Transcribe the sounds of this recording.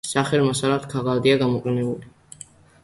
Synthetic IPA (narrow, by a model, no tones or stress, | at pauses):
saχɛlmasalat̪kʰaʁald̪iaɡamɔqʼɛnɛbuli